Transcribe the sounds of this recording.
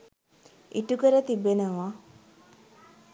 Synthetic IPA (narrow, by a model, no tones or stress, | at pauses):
iʈukəɾət̪ibenəʋa